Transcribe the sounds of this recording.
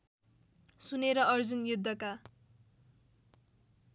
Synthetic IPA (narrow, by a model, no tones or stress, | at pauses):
suneɾʌʌrd͡zunjud̪ʱːʌka